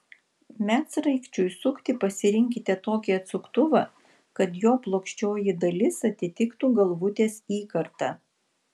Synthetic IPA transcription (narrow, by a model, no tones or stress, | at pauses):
mʲæsɾɐɪkʃʲt͡ʃʲʊjsʊkt̪ʲɪpɐsʲɪɾʲɪŋʲkʲɪt̪ʲɛt̪oːkʲiɐt̪sʊkt̪ʊʋɐ | kɐt̪joːplˠoːkʃʲt͡ʃʲoːjɪd̪ɐlʲɪsɐt̪ʲɪt̪ʲɪkt̪uːɡɐlˠʋʊt̪ʲeːsiːkɐɾt̪ɐ